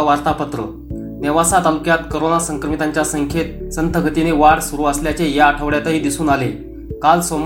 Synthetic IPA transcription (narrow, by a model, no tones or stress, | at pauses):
ʋaɾt̪apət̪ɾə̰ | neʋasat̪alukjat̪koɾonasəŋkɾəmit̪aɲt͡ɕjasəŋkʰet̪̚sənt̪əɡʱət̪ineʋaɽsuɾuːəsljat͡ɕejaːʈʰəʋɽjat̪əɦiːd̪isuːnale | kalsom